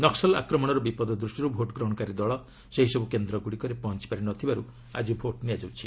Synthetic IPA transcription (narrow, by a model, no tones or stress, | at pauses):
nɔksɔla̰kɾɔmɔɽ̃ɔɾɔbipɔd̪ɔd̪ɾusʈɔɾubʱoʈɡɾɔɦɔkaɾid̪ɔɭɔ | seɦisɔbukend̪ɾɔɡuɽikɔɾepɔɦɔnt͡ʃi̥paɾinɔt̪ʰibaɾu | a̰d͡ʒibʱoʈnijad͡ʒawt͡ʃʰi